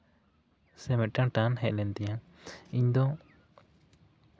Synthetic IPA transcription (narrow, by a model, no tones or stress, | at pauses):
sɛmɛt̪̚ʈãʈãnɦɛʔ̪̚lɛnt̪ɛjã | iɲd̪ɔ